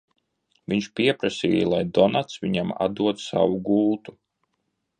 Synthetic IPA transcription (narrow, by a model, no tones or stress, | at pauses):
vʲiɲʃpʲiɛpɾasʲḭːjlˠajd̪ɔnat̪svʲiɲama̰d̪uɔt̪sa̰wuɡulˠt̪u̥